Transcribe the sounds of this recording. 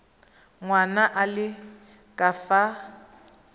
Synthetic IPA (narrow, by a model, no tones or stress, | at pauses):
ŋwanaʔalɪ | kʼafa